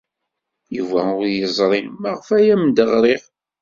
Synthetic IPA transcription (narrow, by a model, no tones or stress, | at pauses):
juvæʊɾjəzˤɾˤinmæʁfæjæmnd̪əʁɾiʁ